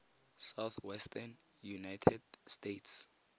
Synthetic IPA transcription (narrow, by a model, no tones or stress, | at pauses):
sawθwɛstʰɛn | junajtʰɛd̚stetʰs